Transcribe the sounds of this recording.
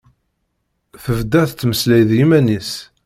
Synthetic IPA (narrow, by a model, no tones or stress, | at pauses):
θəvd̪æθt͡sːməslæjðjimænis